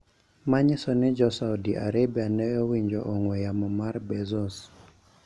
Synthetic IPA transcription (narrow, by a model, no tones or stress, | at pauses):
maɲɪsɔnɪd͡ʒɔsawdiʔa̰ɾebianɛjowiɲd͡ʒo̰ʔoŋwɛjamɔmarbɛzos